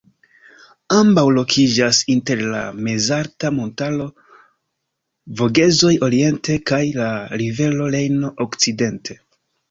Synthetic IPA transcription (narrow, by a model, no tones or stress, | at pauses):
ambawlo̞kʰid͡ʒasinte̞ɾla̰me̞zaɾtamo̞ntalo̞ | vo̞ɡe̞zo̞jo̞ɾie̞nte̞kajlaɾive̞lo̞le̞jno̞ʔokt͡side̞ntʰe̞